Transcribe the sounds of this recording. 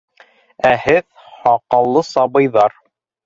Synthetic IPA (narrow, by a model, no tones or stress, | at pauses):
æhɘð | hɑqɑlˠːɤsɑbɤ̆jðɑɾ